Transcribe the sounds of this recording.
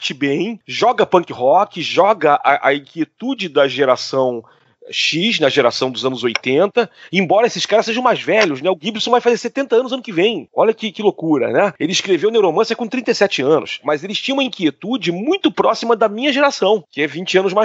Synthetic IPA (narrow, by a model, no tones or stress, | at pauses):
t͡ʃibẽj̃ʒɔɡɐpɐ̃ŋkɪhɔkɪʒɔɡɐʔɐ̰ʔɐ̰ĩkiet̪ud͡ʒɪd̪ɐʒeɾasɐ̃w̃ | ʃiʃnɐʒeɾa̰sɐ̃w̃d̪ʊzɐ̃nʊzojt̪ẽnt̪ɐẽmbɔɾɐesɪskaɾɐseʒɐ̃w̃majzvɛʎʊznɛʊɡibɾisõvajfazeɾset̪ẽnt̪ɐɐ̃nʊzɐ̃nʊkɪvẽj̃ɔʎɐkɪkɪlokuɾɐ̰nɛelɪiʃkɾevewnewɾomɐ̃sjɐkõt̪ɾĩt̪ejsɛt͡ʃɪɐ̃nʊ̰smɐzelɪst͡ʃĩɲ̃umɐĩŋkiet̪ud͡ʒɪmũj̃t̪ʊpɾɔsimɐd̪ɐmĩɲɐʒeɾasɐ̃w̃kɪɛvĩt͡ʃɪɐ̃nʊzma